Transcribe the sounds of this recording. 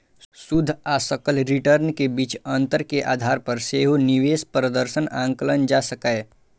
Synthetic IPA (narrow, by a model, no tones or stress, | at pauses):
sʊd̪ʱaːsəkəlɾɪʈəɾnkebiːt͡ʃə̃nt̪əɾkeʔa̰ːd̪ʱaːɾpəɾseːɦuniʋeːspɾəd̪əɾʃənʔãːŋkələnd͡ʒaːsəkae